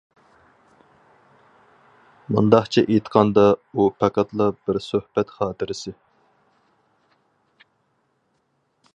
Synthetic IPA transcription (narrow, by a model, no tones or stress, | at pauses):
mṵnd̪ɑχt͡ʃʰɛʔet̪qʰɑnd̪ɑupʰɛqɑt̪lˠɑbɪɾsøhpɛt̪χɑːt̪ʰɪɾɪsɪ